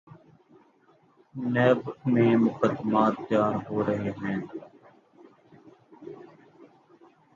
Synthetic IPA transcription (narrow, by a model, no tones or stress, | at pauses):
nɛːbmẽːmʊkəd̪ːmaːt̪̚pjaːɾɦoːɾəɦeɦɛ̃ː